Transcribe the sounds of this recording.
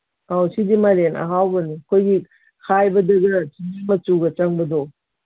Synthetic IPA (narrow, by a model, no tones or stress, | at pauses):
awsidimɐɾenɐ̰ɦawbɐnikʰojɡi | kʰajbɐdɐɡɐt͡ʃinimɐt͡ʃuɡɐt͡ʃɐŋbɐdɔ